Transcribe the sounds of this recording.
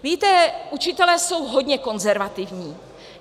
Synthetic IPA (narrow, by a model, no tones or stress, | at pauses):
viːt̪ɛʔut͡ʃɪt̪ɛlɛːso̞wɦodɲɛko̞nzɛɾvat̪ɪvɲiː